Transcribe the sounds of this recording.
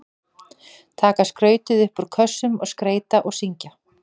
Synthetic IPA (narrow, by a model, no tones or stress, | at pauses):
t̪ʰaːkaskɾœːɥt̪ɪðʏhpʏɾkʰœsːʏmɔ̰ɣskɾeːjt̪aʔɔɣsiɲca